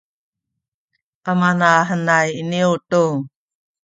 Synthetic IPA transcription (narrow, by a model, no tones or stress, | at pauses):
ʔamanaɦənajiniwtu